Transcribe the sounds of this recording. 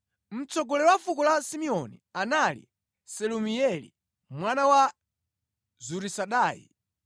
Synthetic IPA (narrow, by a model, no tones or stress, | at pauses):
m̩t͡sɔɡɔlɛwafukɔlasimiɔnḭanalḭ | sɛlumiɛlḭ | mwanawa | zuɾisaɗaːjḭ